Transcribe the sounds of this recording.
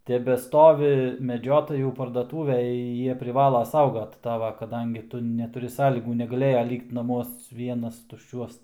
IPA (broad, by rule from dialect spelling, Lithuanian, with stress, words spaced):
tʲɛbʲɛˈstoːʋʲɪ mʲɛˈd͡ʒʲoːtɐjuː pɐrdɐˈtuːʋʲeːj ˈjiɛ pʲrʲɪˈʋɑːlˠɐ ˈsɐʊɡɐt ˈtɑːʋɐ kɐˈdɐŋʲɡʲɪ ˈtʊ nʲɛtʊˈrʲɪ ˈsɑːlʲiːɡuː nʲɛɡɐˈlʲeːjɛ ˈlʲiːkt nɐˈmuɔs ˈʋʲiɛnɐs tʊʃʲˈt͡ʃʲuɔs